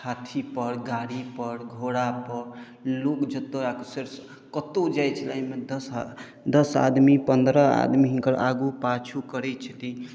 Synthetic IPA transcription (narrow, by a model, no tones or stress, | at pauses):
kʰat̪ʰipəɾɡaɽipəɾɡʱoɽapəɾ | lokd͡ʒət̪oakoseɾs | kət̪od͡ʒajt͡ʃʰəlaimed̪əs | d̪ʌsa̰d̪mipənd̪ɾəa̰d̪miɦinkəɾa̰ɡupat͡ʃʰukəɾɛt͡ʃʰət̪i